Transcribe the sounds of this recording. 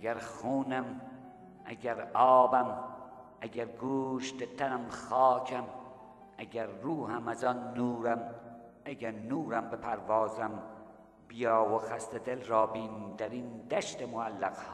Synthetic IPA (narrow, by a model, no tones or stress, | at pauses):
æɡæɾxuːnæm | ʔæ̰ɟæɾɒːbæm | ʔæɟæɾɡuːʃd̪et̪ʰænæmxɑːcʰæm | æɟæɾːuːhæmæzɒnːuːɾæm | æɡæɾnuːɾæmbepʰæɾvɑːzæm | b̥ijɒːwoxæst̪ed̪elɾɒːbiːnt̪ʰæɾiːnd̪æʃt̪emoælːæqhː